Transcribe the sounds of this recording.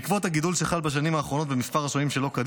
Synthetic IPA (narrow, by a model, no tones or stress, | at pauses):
kvo̞t̪haɡid̪ulʃeχalbaʃ̬animhaːχʁo̞no̞t̪bemispaʁasoimʃe̞lo̞kad̪